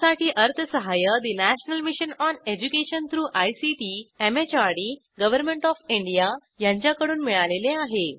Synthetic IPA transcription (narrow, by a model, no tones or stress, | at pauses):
saʈiːʔəɾt̪ʰəsəɦajəd̪inæɕnəlmiɕənɔned͡ʑukeɕənt̪ʰɾuːʔajsiʈiemet͡ɕaɾɽiː | ɡəʋəɾmeɳʈɔfiɳɖija | jãɲt͡ɕjakəɽuːnmiɭaleleaɦe